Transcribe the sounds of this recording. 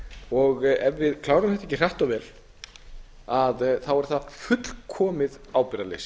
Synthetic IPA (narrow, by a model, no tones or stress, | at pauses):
ɔɣɛvːɪðkʰlaːwɾʏmθɛht̪ɛcːɪr̥aht̪avɛːl | aðθawɛɾ̥θafʏt̪l̥kʰɔːmɪð | aːwpɪɾalḛs